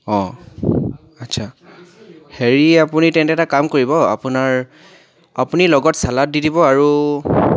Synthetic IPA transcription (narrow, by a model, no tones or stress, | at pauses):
ɔ̃ | atsʰa | heɹiapunitɛntɛtakamkoɹibɔa̰punaɹ | apunilɔɡɔtsalat̚didibɔaɹu